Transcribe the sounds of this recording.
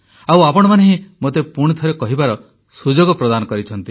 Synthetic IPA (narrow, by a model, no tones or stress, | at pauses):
awapɔɽ̃ɔmaneɦĩmot̪epuɽ̃it̪ʰɔɾekɔɦibaɾɔ | sud͡ʒoɡɔpɾɔd̪anɔkɔɾit͡ʃʰɔnt̪i